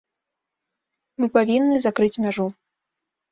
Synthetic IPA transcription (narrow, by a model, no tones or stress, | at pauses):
mɨpavʲinːɨzakɾɨt͡sʲmʲaʐu